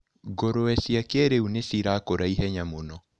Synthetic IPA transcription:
ɡoɾoɛsiakɛɾeunesiɾaːkoɾaiɦɛɲamonɔ

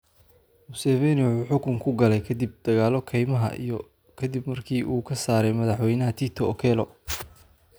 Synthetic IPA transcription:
mʊsɛːvɛnɪʊħʊːħʊkʰʊŋkʰʊɡɐlɛjkʰɐd̪ib̚d̪̥ɐɣaːlɔkʰɛjmɐɦɐ̰ʔḭjɔ | kʰɐd̪ibmɐrkʰiːʔuːkʰɐsaːɾɛjmɐðɑħwɛjnɐɦɐt̪ʰit̪ʰɔːkʰɛːlɔ

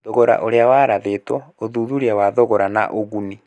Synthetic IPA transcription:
ðoɣoɾa̰ʔoɾeawaːɾaðetwɔoðuːðuɾiawaðoɣoɾana̰ʔoɣuni

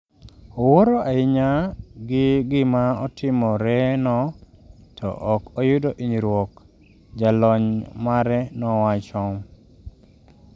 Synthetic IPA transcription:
ɔwoɾoʔaɪɲaɡɪɡɪmaɔtʰɪmɔɾɛnɔtʰɔ̰ʔɔkɔjʊdoʔiɲiɾwɔk | d͡ʒalɔɲmaɾɛnɔwat͡ʃɔm

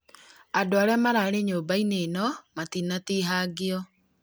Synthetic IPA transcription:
adoaɾɛamaɾaːɾeɲoːbaineːnɔmatinatiːɦaːɡeɔ

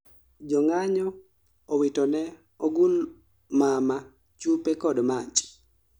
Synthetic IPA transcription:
d͡ʒɔŋaɲɔ | owitɔnɛ | oɡul | mama | t͡ʃupekɔdmat͡ʃ

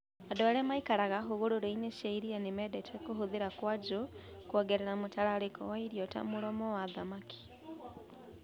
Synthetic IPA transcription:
adoɾemaikaɾaɣaɦuɣuɾoɾoineʃaiɾianemedetʰekuhuðiɾakwad͡ʒu | kwoɡeɾeɾamutalaɾikɔ̰waiɾjota̰muɾomɔwaðamaki̥

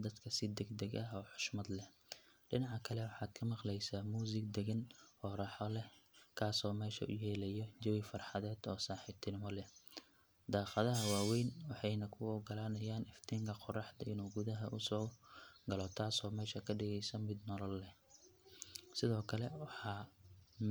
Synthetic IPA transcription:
d̪ɐd̪kʰɐsɪd̪ɛɡd̪ɐɡɐɦɔːħʊ̥ʃmɐd̪lɛ | ɖɪnɑʕɑkʰɐlɛwɑħɑːd̪̥kʰɐmɑqlɛjsaːmuːs̬ɪɡd̪ɛɣɐnhɔːɾɑħɔlɛkʰaːsɔːmɛːʃɐ̰ʔʊ̰jɛːlɛjɔd͡ʒɐwɪfɑrħɑðɛːd̪ɔːsaːħɪt̪ʰɪnɪmɔlɛ | d̪aːqɑðɐɦɐwaːwɛjnwɑħɑjnɐkʰʊɔːɡɐlaːnɐjaːnɪft̪ʰiːŋkʰɐqɔrɑħd̪ɐɪnuːɡʊðɐɦɐʔʊsɔːɡɐlɔːt̪ʰaːsɔːmɛːʃɐkʰɐɖɪɣɛjsɐmɪd̪nɔlɔlːɛ | sɪðɔːkʰɐlɛwɑħɑː

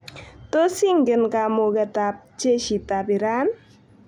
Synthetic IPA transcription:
t̪osiŋɡənkamokət̪ap̚t͡ʃeʃit̪apiɾan

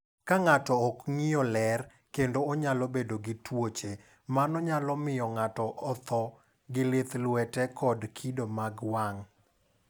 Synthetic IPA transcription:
kaŋatɔːkŋijɔlɛr | kendoːɲalɔbedoɡɪtwot͡ʃe | manɔɲalɔmɪjɔŋatɔʔɔt̪ʰɔ | ɡɪlɪt̪lwɛtɛkʰɔdkʰidomaɡwaŋ

